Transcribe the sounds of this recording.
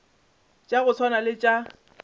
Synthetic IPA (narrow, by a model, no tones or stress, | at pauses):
t͡ʃʼaɣʊt͡sʰwanalɪt͡ʃʼa